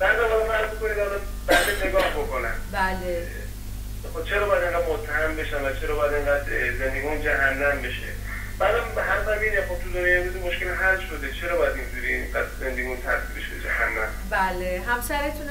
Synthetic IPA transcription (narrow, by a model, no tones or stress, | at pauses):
bæɾd̪ænɒɾɔfæɾzbokoniːd̪ɒɾɔ | bæɾd̪eneɡɒːhbokʰonæ̰nbæle | xobt͡ʃʰeɾɒːbɒjæd̪e̞ŋɡæːd̪mot̪ʰːæhæmbeʃænvæt͡ʃʰeɾɒːbɒjæd̪eŋɡæːd̪ze̞nd̪eɡiund͡ʒæɦænːæmbe̞ʃḛ | bæd̪ambhæɾsæmiːnemxob̚t̪ʰuzoɾejebuzimoʃkʲelɦælʃod̪et͡ʃʰeɾɒːbɒjæd̪ind͡ʒuɾiiŋɢæd̪ze̞nd̪eɡiunt̪ʰæsibeʃbed͡ʒæhæ̰nːæm | bæleɦæmsæɾet̪ʰun